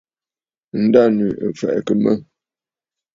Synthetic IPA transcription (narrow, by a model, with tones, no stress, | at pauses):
n̩˦da˦˨ni˨ʔə̰˨fɛ̰˨ʔkə˨mə˦